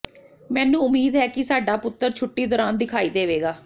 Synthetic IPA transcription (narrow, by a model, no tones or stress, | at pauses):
mɛ̃ːnũːʊmiːd̪ɦɛːkɪsaːɖaːpʊt̪ːəɾt͡ʃʰʊʈːiːd̪ɔːɾaːnd̪ɪkʰaːiːd̪eːʋeːɡaː